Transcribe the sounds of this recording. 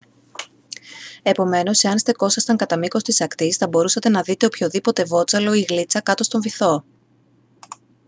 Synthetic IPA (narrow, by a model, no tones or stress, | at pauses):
e̞po̞me̞no̞seɐnst̪e̞ko̞sɐst̪ɐŋkɐt̪ɐmiko̞st̪isɐkt̪isθɐbo̞ɾusɐt̪e̞nɐðit̪e̞opço̞ðipo̞t̪e̞vo̞t͡sɐlo̞iɣlit͡sɐkɐt̪o̞st̪o̞ɱviθo̞